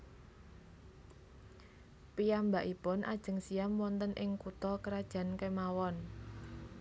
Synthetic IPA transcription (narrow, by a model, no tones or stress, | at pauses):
piambaʔipʊnʔa̰d̥ʒ̥ə̤ŋsiamwɔnt̪ənʔɪŋkut̪ɔkəɾad̥ʒ̥a̤nkemawɔn